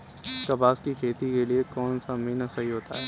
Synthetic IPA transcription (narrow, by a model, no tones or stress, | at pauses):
kɐbaːskikʰeːt̪ikeliekɔːnsamĩnasɐɦiɦoːt̪a̰ɦɛː